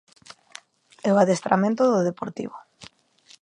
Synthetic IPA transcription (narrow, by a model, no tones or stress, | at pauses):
eoaðest̪ɾa̰mẽnt̪ʊðoðepoɾt̪ḭβʊ